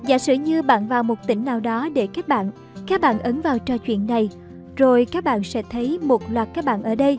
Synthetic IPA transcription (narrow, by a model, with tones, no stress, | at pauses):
za̰ː˧˥˩sɨ̰˧˩ɲɨ˧ɓa̰ː˧˨nvaː˨˩wmo˨˩t̚t̪ï˧˩ŋ̟naː˨˩wɗɔ˨˦ɗe˧˩kaː˦˥k̚ɓa̰ː˧˨n | kaː˦˥k̚ɓa̰ː˧˨nʔə˨˦nvaː˨˩wt͡ɕəː˧˩t͡ɕwḭ˧˨ənːa˨˩j | zo˨˩jkaː˦˥k̚ɓa̰ː˧˨nsɛ̰˧˥t̪ʰə˨˦jmo˨˩t̚lwaː˨˩t̚kaː˦˥k̚ɓa̰ː˧˨nʔəː˧˩ɗə˧j